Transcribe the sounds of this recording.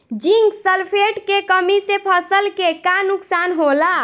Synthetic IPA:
d͡ʒiŋɡsəlpʰeʈkekəmisepʰəsəlkekanuksanɦola

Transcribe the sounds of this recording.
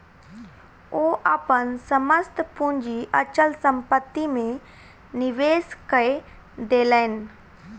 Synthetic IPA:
oːʔapənsəməst̪pũɲd͡ʒiʔɐt͡ʃəlsə̃mpət̪ːimẽ | nɪʋeːskəe | d̪eːləɪn

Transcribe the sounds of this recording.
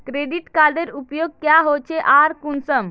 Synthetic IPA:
kɾeɖiʈkad̪eɾupjoɡ̚kjaɦot͡ʃʰeʔaɾkunsəm

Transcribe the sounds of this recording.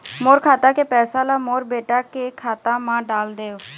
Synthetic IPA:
moːɾkʰaːt̪ãːkeːpɛːsãːlaːmoːɾbeːʈaːkeːkʰaːt̪ãːmãːɖaːld̪eːoː

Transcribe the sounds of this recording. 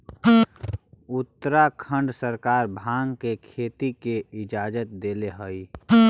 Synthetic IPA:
ʊt̪ːəɾakʰə̃ɳɖsəɾkaːɾbʱãːŋɡkekʰeːt̪ikeɪd͡ʒaːd͡ʒət̪̚d̪eːleɦoi

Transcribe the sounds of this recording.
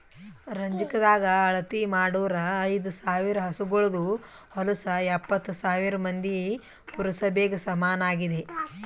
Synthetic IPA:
ɾɐɲd͡ʒikɐd̪aːɡɐːɭɐt̪imaːɽuʋɐɾɐːjd̪usaːʋiɾɐɦɐsuɡɔɭɐd̪u | hɔlusɐɛpːɐt̪ːsaːʋiɾɐmɐnd̪ije | puɾɐsɐbeːɡɐsɐmaːnaːɡid̪e̞

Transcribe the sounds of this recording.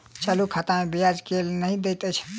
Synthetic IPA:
t͡ʃəlukʰat̪amebijad͡ʒkelnəɦĩd̪ejt̪ət͡ʃʰ

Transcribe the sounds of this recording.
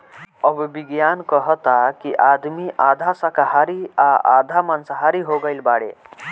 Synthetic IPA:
əbbiɡjankəɦət̪akiʔad̪miʔad̪ʱasəkaɦaɾiaʔa̰d̪ʱamansəɦaɾiɦoɡəɪlbaɽḛ

